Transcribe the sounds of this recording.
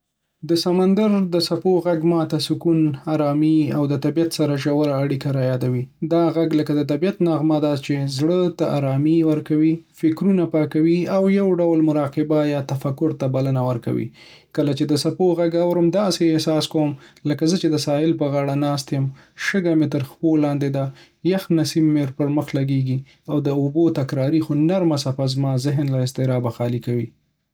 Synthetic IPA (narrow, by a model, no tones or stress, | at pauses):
d̪əsamand̪aɾd̪əsapoɣaɡmɑt̪asʊkunaɾɑmiawd̪ət̪abijat̪saɾaʒawaɾaːɽikaɾajɑd̪awid̪ɑɣaɡləkad̪ət̪̬abijat̪naɣmad̪ɑt͡ʃezɽət̪aʔa̰ɾɑmiwəɾkawifɪkɾunapɑkawiawjawɖawlmʊɾɑqɪbajɑt̪afakʊɾt̪abalənawəɾka̰wḭ | kəlat͡ʃed̪əsapoɣaɡawɾəmd̪ɑseːhsɑskowəmləkazət͡ʃed̪əsɑɪlpəɣɑɽanɑst̪jəm | ʃəɡamɪt̪əɾxpolɑnd̪ed̪a | jaxnasibːeɾpəɾməxlaɡeɡi | awd̪əʊbot̪akɾɑɾixonaɾmasafazmɑzɪɦnlaɪst̪ɪɾɑbaxɑlikawi